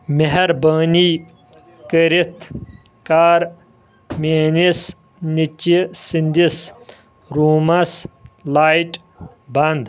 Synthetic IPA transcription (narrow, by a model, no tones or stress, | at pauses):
meɦɐɾbani | kəɾit̪ʰ | kaɾ | menis | nit͡ɕisind̪is | ɾuːmaslajʈ | band̪